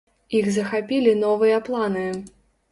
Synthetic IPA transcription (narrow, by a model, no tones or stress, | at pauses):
iɣzɐxapʲilʲinɔvɨjɐplˠanɨ